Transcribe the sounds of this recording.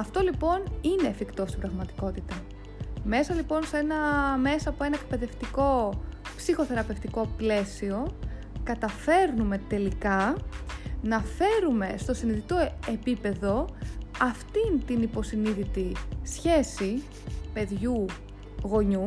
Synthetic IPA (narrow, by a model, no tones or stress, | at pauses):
ɐft̪o̞lipo̞nine̞ːfikt̪o̞st̪ibɾɐɣmɐt̪i̥ko̞t̪it̪ɐ | me̞sɐlipo̞nse̞nɐme̞sɐːpoe̞nɐek̚pe̞ðe̞ft̪iko̞psixo̞θe̞ɾɐpe̞ft̪iko̞ple̞sio̞ | kɐt̪ɐfe̞ɾnume̞t̪e̞likɐ | nɐfe̞ɾume̞st̪o̞siniðit̪oe̞pipe̞ðo̞ɐft̪int̪inipo̞siniðit̪isçe̞si | pe̞ðʝu | ɣo̞ɲu